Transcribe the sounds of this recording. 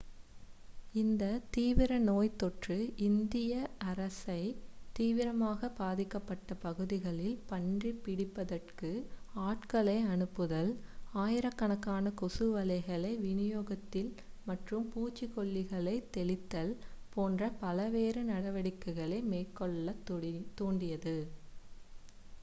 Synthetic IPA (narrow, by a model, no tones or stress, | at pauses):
ɪnd̪ɐt̪iːʋɪɾɐnoːjt̪ɔʈrɯɪnd̪ɪjɐɐɾɐsɐɪt̪iːʋɪɾɐmaːɣɐbaːðɪkːɐpːɐʈːɐpɐɣɯðɪɣɐɭɪlpɐɳdripɪɽɪpːɐðɐrkɯaːʈkɐɭɐɪɐnɯpːɯðɐlaːjɪɾɐkːɐɳɐkːaːnɐkɔsɯʋɐlɐɪɣɐɭɐɪʋɪnɪjoːɣɐt̪ːɪl | mɐʈrɯmpuːt͡ʃːɪkɔɭːɪɣɐɭɐɪt̪ːɛɭɪt̪ːɐlpoːndrɐpɐlɐʋeːɾɯnɐɽɐʋɐɽɪkːɯɣɐɭɐɪmeːkːɔɭːɐt̪ːoːɳɖɪjɐðɯ